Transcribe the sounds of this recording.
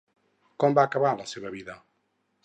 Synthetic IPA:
kombaːkɐβaɾlɐseβɐβiðɐ

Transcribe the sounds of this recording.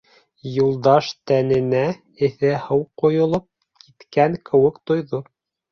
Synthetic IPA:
julˠd̪ɑʃt̪ænɘ̆næ | ɘ̆θɘhɤwqŏjŏlˠop̚ | kʰit̪kæŋkʰɘ̆wɘkt̪ŏjðo

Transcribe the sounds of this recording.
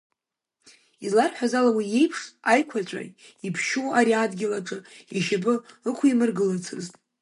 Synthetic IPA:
izlarħʷᶣazalawije̞jpʰʂajkʷʰat͡ɕʷʼa̰ | ipʰʃuaɾiadɡʲɪlaʈ͡ʂʼɨiʃapʼɨɨkʷʰimɨrɡɨlat͡sʰɨ̰ztʼ

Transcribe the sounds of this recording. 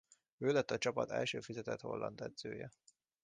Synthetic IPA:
øːlɛt̪ːɒt͡ʃɒpɒt̪ɛ̰lʃøːfizɛt̪ɛt̪ho̞̰lːɒnd̪ɛd̪z̥øːjɛ

